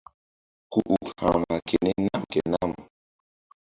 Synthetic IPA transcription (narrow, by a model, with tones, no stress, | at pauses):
ku˨ʔu˨kha˨ma˨kʰe˨ne˦na˦mke˨na˦˨m